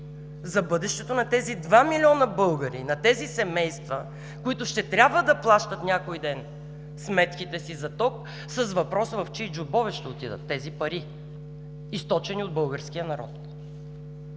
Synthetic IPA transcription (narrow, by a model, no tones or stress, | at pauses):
zɐbɤd̪ɛʃt̪ɛt̪onɐt̪ɛzid̪vamilʲiɔnəbɤlˠɡəɾḭnɐt̪ɛzisɛmɛjst̪və | kʊit̪ʊʃt̪ɛt̪ɾʲabvəd̪ɐplˠaʃt̪ət̪nʲakoid̪ɛn | smɛt̪kʲit̪ɛsizɐt̪ɔk̚ | səsvɐpɾɔsəvɐft͡ʃid͡ʒʊbɔvɛʃt̪ɛot̪id̪ə̰t̪ːɛzipɐɾi | ist̪ɔt͡ʃɛniod̪̚bɤlˠɡəɾskʲijənɐɾɔ̰t̪̚